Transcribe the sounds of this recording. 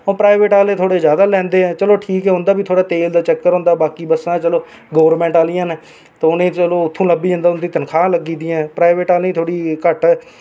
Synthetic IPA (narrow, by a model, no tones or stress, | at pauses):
õːpɾaːɪʋeːʈaːleːt̪ʰoːɽeːzjaːd̪aːlɛ̃ːnd̪eːɛ̃ːt͡ʃəloːʈʰiːkɛːɦʊ̃nd̪aːbiːt̪ʰoːɽaːt̪eːld̪aːt͡ʃəkːəɾɦõːnd̪aːbaːkiːbəsãːt͡ʃəloː | ɡoːəɾmɛ̃ːɳʈaːlijãːneː | t̪eːʊnẽːt͡ʃəloːʊt̪ʰːõːləbĩːnd̪aːʊnd̪iːt̪ənkʰaːləɡiːd̪ijãpɾaːɪʋeːʈaːlẽːĩːt̪ʰoːɽiːkəʈɛː